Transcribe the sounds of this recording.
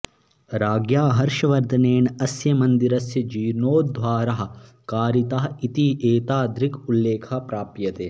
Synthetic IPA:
ɾaːɡjaːɦɐɾʃɐʋɐɾd̪ʱɐneːnɐsjɐmɐnd̪iɾɐsjɐd͡ʒiːɾnoːd̪ʱʋaːɾɐɦɐ̆ | kaːɾit̪ɐɦɐit̪iʔeːt̪aːd̪ɾikulːeːkʰɐpɾaːpjɐt̪eː

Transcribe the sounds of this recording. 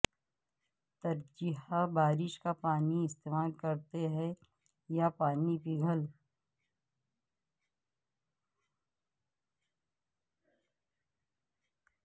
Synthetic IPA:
t̪ɐɾd͡ʒɪɦabaːɾɪʃkapaːniɪst̪eːmaːlkɐɾt̪eɦɛ | japaːnipiɡʱəl

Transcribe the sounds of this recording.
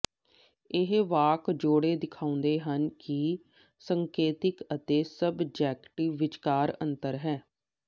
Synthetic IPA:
ɪɦʋaːkd͡ʒoːɽeːd̪ɪkʰaːʊ̃nd̪eːɦənki | səŋkeːt̪ɪkət̪eːsəbd͡ʒɛːkʈiːʋɪt͡ʃkaːɾə̰nt̪əɾɦɛː

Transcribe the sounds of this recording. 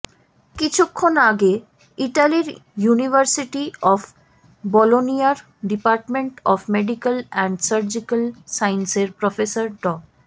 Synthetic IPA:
kit͡ɕʰukʰːonaɡe | iʈaliɾjunibʱəɾsiʈiɔfʰ | bɔloniaɾ | ɖipaɾʈmeɳʈɔfʰmeɖikalɛɳɖsəɾd͡ʑikəlsajnseɾpɾɔfesaɾɖɔ

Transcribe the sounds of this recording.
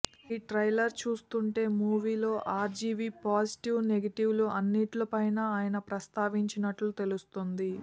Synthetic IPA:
iːʈɾɐjlɐɾt͡ʃuːst̪uɳʈe̞ːmuːʋiːlo̞ːʔaːɾd͡ʒiːʋipaːsi̥ʈiʋneɡɐʈiʋluɐnːiʈlɐpɐjnaaːjɐnɐpɾɐst̪aːʋiɲt͡ʃinɐʈlut̪e̞lust̪ond̪i

